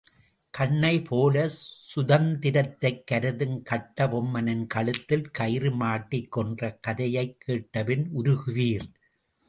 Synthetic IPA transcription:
kɐɳːɐɪpʰoːlɐsʊðɐnd̪ɪɾɐt̪ːɐɪkːɐɾɐðɯnkɐʈːɐbɔmːɐnɐnkɐɭɯt̪ːɪlkɐjɾɯmaːʈːɪkːɔndrɐkɐðɐjɐɪkʰːeːʈːɐʋɪnʔʊɾɯɣɯʋiːɾ

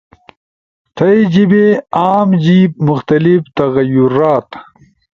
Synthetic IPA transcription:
t̪ʰɐjd͡ʑibeaːmd͡ʑiːb̚mʊxt̪ɐlift̪ɐɣɐjuɾaːt̪

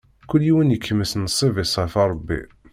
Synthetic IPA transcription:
kʊljiwənjəkʰːəmːəsnəsˤːivisʁəfɑɾˤəbːḭ

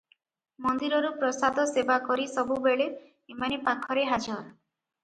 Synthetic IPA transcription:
mɔnd̪iɾɔɾupɾɔsad̪ʱɔsebakɔɾisɔbubeɭeː | manipakʰɔɾeɦad͡ʒɔɾ

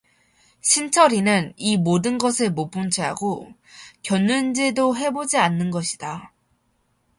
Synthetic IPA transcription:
ɕʰint͡ɕʰʌɾinɯnimodɯnɡʌsʰɯɭmop͈unt͡ɕʰeɦa̰ɡo | kjʌnːɯnd͡ʑidoɦe̞bod͡ʑianːɯnɡʌɕʰida

